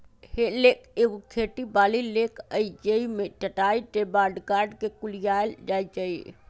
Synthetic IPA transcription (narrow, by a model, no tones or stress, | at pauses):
helekeɡokʰeʈibaːlilekʰəid͡ʒeimet͡ʃəʈaiʈebaɾɖkaɾɖkekulijaeld͡ʒajt͡ʃai